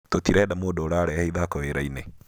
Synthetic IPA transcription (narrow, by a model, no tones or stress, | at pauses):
t̪otiɾɛɗamoɗɔɾaɾɛahiðakɔweɾainɛ